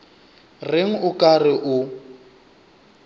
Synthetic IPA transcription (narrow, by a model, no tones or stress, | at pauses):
rɪŋ̩ʊkʼarɪʔʊ